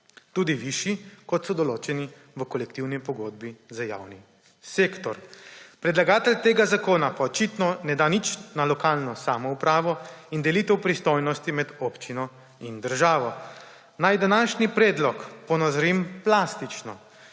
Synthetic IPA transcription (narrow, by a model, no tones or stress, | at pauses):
t̪uːd̪iʋiʃikɔt̪sɔd̪ɔloːt͡ʃɛni | ʋəkɔlɛkt̪iwnipɔɡoːd̪̚bizaja̰ːwni | seːkt̪ɔɾpɾɛd̪laɡaːt̪ɛlt̪eːɡazakoːnapaɔt͡ʃit̪nɔnɛd̪anit͡ʃnalɔkaːlnɔsaːmɔupɾaːʋɔind̪ɛlit̪ɛwpɾist̪ojnɔst̪imɛd̪oːpt͡ʃinɔ | ind̪əɾʒaːʋɔ | najd̪anaːʃnipɾɛːd̪lɔkpɔnazɔɾimplaːst̪it͡ʃnɔ